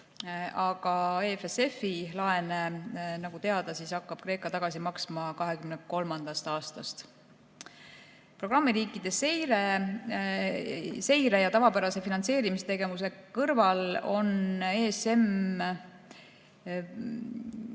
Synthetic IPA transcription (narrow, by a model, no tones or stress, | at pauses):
ɑɡ̥ɑefese̞filɑe̞nenɑɡ̥ut̪e̞ɑd̪̥ɑsisɑkːɑb̥̚kɾe̞ːkːˑɑt̪ɑɡ̥ɑsimɑksmɑkɑɦe̞kymneko̞lmɑnd̪̥ɑst̪ɑːst̪ɑst̪ | pro̞ɡ̥rɑmːiɾiːkːˑid̪̥e̞sejɾe | se̞jɾe̞jɑt̪ɑvɑpæɾɑse̞finɑnt̪se̞ːɾimist̪e̞ɡe̞mus̬e̞kɤrvɑlo̞nese̞m